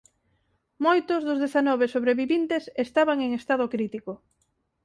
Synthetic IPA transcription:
mojt̪ʊzðʊzðeθanɔβesoβɾeβiβint̪esest̪aβaŋeŋest̪aðʊkɾit̪iko

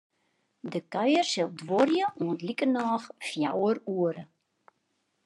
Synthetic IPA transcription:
dəkœjərsəlˠdʋɔrjəuəntlikənɑːxfja̰wəruəɾə

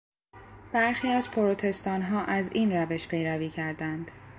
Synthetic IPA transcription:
b̥æɾxiːæzpʰoɾot̪ʰe̞st̪ɒːnɦɒːʔæziːnræve̞ʃpʰe̞jɾæviːcʰæɾd̪ænd̪̥

